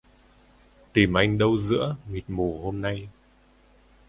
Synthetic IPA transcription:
t̪i˨˩mʔa˧jŋ̟ɗə˧wzɨ̰˧˥əŋi˨˩t̚mo˨˩ho˧mna˧j

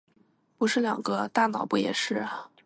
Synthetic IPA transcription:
pu˧˥ʂɻ̩˥˩ljɑ̰˨˩ŋɡə˦t̪a˥˩nɑ˨˩ʊpu˥˩jɛ̰˨˩ʂɻ̩˥˩

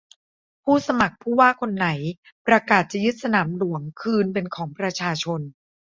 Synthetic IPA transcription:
pʰuː˥˩sa˧ma˨˩k̚pʰuː˥˩waː˥˩kʰo˧nːa˩˦j | pɾa˧kaː˨˩t̪̚t͡ɕa˨˩jɯ˦˥t̪̚sa˧naː˩˦mlu˩˦əŋkʰɯː˧npe˧nkʰɔː˩˦ŋpɾa˧t͡ɕʰaː˧t͡ɕʰo˧n

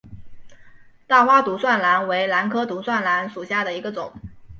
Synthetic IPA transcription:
t̪a˥˩xwa˥t̪u˧˥swa˥˩nla˧˥nwe˧˥ɪla˧˥nkʰɤ˥t̪u˧˥swa˥˩nla˧˥nʂu˨˩ɕja˥˩d̪ə˩i˧˥ɡə˧t͡sʊ̰˨˩˦ŋ

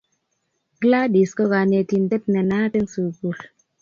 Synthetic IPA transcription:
ɡla˦di˨skɔ˦ɡa˨ne˨ti˨n˨te˦t̚nɛ˨na˦te˦nsu˨ku˨l

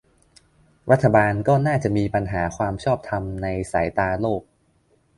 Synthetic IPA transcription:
ɾa˦˥t̪ʰːa˧baː˧nkɔː˥˩naː˥˩t͡ɕa˨˩ʔmiː˧pa˧nɦaː˩˦kʰwaː˧mt͡ɕʰɔː˥˩p̚t̪ʰa˧mna˧jsaː˩˦jt̪aː˧loː˥˩k̚

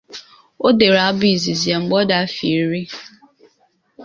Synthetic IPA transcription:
o˦de˨ɾa˨a˦bʊ˦i˨zi˨zi˨a˨ŋ͡m̩˨ɡ͡bɔ˦da˨a˦fi˨˦ɾi˦

